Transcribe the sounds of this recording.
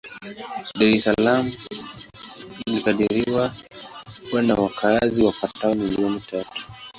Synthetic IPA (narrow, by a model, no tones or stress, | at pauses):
ɗaɾɛsalamu | ilikaɗiɾiwa | kuwanawakʰaziwapataɔmiliɔnitatu̥